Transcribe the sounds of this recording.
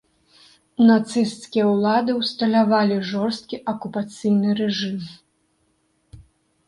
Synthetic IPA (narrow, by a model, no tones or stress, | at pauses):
nat̪sɨst̪skʲijɐwlˠad̪ɨwst̪ɐlʲavalʲiʐɔrst̪̚kʲiʔɐkupat̪sɨjnɨɾɛʐɨm